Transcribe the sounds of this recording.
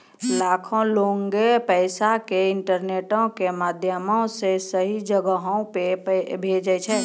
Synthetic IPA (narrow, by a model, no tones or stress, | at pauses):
laːkʰõloːŋɡepɛɪsakeɪɳʈəɾneːʈõkemaːd̪ʱjəmõsesəɦid͡ʒəɡəɦõpebʱeːd͡ʒət͡ʃʰɛː